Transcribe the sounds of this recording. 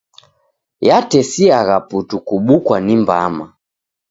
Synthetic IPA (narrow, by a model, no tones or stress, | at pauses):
jatɛsiaɣaputukuɓukwanimba̰ma